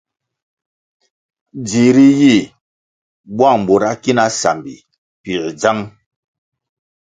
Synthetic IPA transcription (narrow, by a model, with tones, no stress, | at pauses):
d͡zi˨ɾi˦ji˦˨ | bwa˦˨ŋ˨bo˨ɾa˦ki˦na˦sa̰˨mbḭ˨ | pi˨ɾd͡za˦ŋ